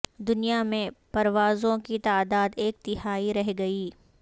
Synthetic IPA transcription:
d̪ʊnijamẽpɐɾʋaːzõkit̪aːd̪aːd̪eːk̚t̪ɪɦaːiɾɐɦɡɐiː

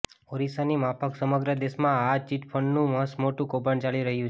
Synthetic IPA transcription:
oɾisanimãpʰəksəməɡɾəd̪eʃmãat͡ʃiʈpʰəɳɖnũməsmoʈũkobəɳt͡ʃaliɾəɦjũt͡ʃ

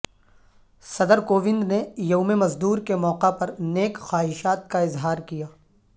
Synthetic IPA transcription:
sɐd̪əɾkoːʋɪ̃nd̪nejoʊmemɐzd̪uːɾkemɔːqapɐɾneːkxaːɦɪʃaːt̪̚kaɪzɦaːɾkijaː

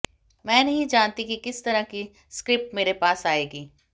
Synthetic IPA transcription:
mɛ̃ːnɐɦĩd͡ʒaːnt̪ikikɪst̪ɐɾəki | skɾɪp̚ʈmeːɾepaːsaːeːɡiː

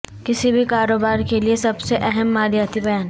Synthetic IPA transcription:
kɪsibʱikaːɾoːbaːɾkeliesɐbseʔɛɦɛmːaːɾijaːt̪ibɐjaːn

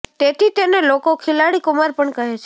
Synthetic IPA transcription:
t̪et̪ʰit̪enelokokʰilaɽikumaɾpəɳkəɦet͡ʃʰe

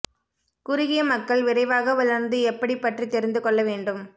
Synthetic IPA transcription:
kʊɾʊɣɪjɐmɐkːɐɭʋɪrɐɪʋaːɣɐʋʊlɐɾnd̪ɯɛpːɐɽipːɐʈrit̪ːɛɾɪnd̪ɯkɔɭːɐʋeːɳɖɯm

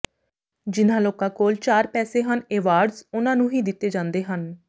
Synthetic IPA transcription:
d͡ʒɪnãːloːkãːkoːlt͡ʃaːɾpɛːseːɦəneːʋaːɾɖzʊnãːnũːɦiːd̪ɪt̪ːeːd͡ʒãːnd̪eːɦən

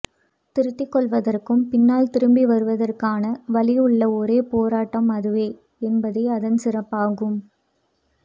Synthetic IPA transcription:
t̪ɪɾɯt̪ːɪkːɔɭʋɐðɐrkɯmpɪnːaːlt̪ɪɾɯmbiʋɐɾɯʋɐðɐrkaːnɐʋɐɭɪjɯɭːɐɔɾeːpoːɾaːʈːɐmɐðɯʋeː | ɛnbɐðɐɪɐðɐnsɪrɐpːaːɣɯm

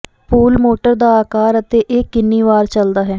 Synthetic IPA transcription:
puːlmoːʈəɾd̪aːaːkaːɾət̪eːʔeːkːɪnːiːʋaːɾt͡ʃəld̪aːɦɛː

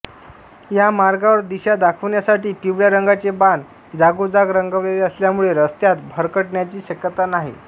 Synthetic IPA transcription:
jamaɾɡaʋəɾd̪iɕad̪akʰəʋɳjasaʈiːpiʋɭjaɾəŋɡat͡seband̪ | d͡zaɡod͡zaɡɾəŋɡəʋeeəsljamuɭeɾəst̪jat̪bʱəɾkəʈɳjat͡ɕiːɕəkjət̪anaɦḭ

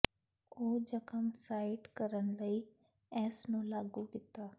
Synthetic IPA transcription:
oːd͡ʒəkəmsaːɪʈkəɾənləi | ɛːsnũːlaːɡukɪt̪aː

